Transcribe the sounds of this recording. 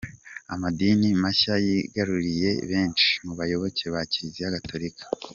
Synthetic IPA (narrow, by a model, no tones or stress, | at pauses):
amadiːnimaçajiɡaɾuɾije̞βe̞ːnt͡ʃi̥muβajo̞βo̞ce̞βacizijaɡatʰoɾikʰḁ